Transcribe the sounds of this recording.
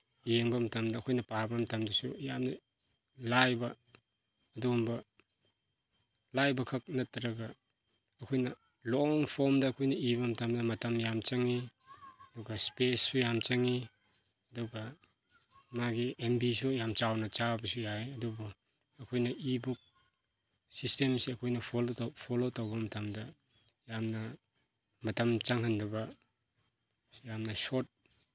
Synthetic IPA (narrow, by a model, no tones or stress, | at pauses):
jeŋbɐmɐtɐmdɐːkʰojnɐpabɐmɐtɐmdɐsujamn | lajbɐː | dumbɐ | lajbɐkʰɐk̚nɐtːɐɾɐɡɐː | kʰojnɐ | lɔŋpʰoɾmdɐːkʰojnɐiβɐmɐtɐmdɐmɐtɐmjamt͡ʃɐŋiɐduɡɐspessujamt͡ʃɐŋi | ɐduɡɐ | maɡiembisujamt͡ʃawnɐt͡ʃabɐs̬ujajɐdubɔː | kʰojnɐʔibuk̚ | sistemsiɐkʰojnɐpʰɔlpʰɔlotawbɐmɐtʰamdɐ | jamnɐ | mɐtamt͡ʃaŋhandabɐ | jamnɐsɔt̚